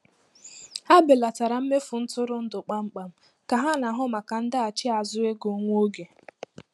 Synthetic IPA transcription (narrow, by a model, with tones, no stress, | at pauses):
a˦bɪ˨la˨ta˨ɾa˨m̩˦me˦fʊ˨n̩˦tʊ˦ɾʊ˨n̩˦dʊ˨k͡pa˦ŋ͡m̩˦k͡pa˨m̩˦ | ka˨ɦa˦na˨ɦʊ˦ma˨ka˨n̩˦da˦a˨t͡ʃɪ˦a˨zʊ˦e˦ɡo˨˦ŋʷo˦ɡe˨